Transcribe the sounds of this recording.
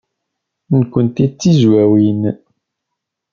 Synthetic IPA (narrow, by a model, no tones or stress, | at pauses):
nkʷːənt̪it͡sːizwæwin